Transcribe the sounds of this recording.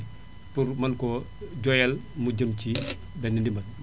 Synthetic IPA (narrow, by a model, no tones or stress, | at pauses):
puɾmɐnkɔ | ɟɔjɛl | muɟɐmci | bɛnːɛndimbɐn